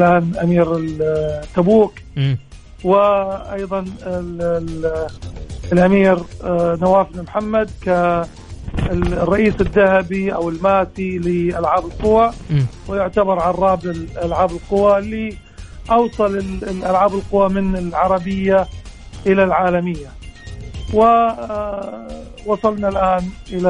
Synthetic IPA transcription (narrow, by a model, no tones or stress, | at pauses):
lʔaːnʔamiːɾɪt̪ːabuːk | wɪʔɑ̰jðˤɑn | lʔamiːɾnawaːfnamħamːad̪ka | rˤːɑʔiːsɪd̪ːahabiʔawɪlmaːt̪ilɪʔalʕaːbɪlqʊwawɪjʊʕt̪abɑɾˤʕarˤːɑːbɪlʔalʕaːbɪlqʊwalːi | ʔɑwsˤɑlɪlʔalʕaːbɪlqʊwːamɪnɪlʕɑɾˤɑbɪjːa | ʔɪlalʕaːlamɪjːa | wɪ | wɑsˤɑlnalʔaːnʔɪla